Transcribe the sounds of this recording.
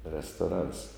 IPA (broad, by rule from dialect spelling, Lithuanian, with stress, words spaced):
rʲɛstoːˈrɐns